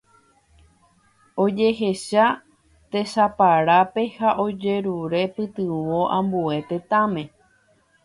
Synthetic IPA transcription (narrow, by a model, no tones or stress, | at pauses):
od͡ʒe̞ɦe̞ʃa | t̪e̞ʃapaɾape̞haʔo̞d͡ʒe̞ɾuɾe̞pɨt̪ɨʋoʔãmbue̞t̪e̞t̪ãmẽ̞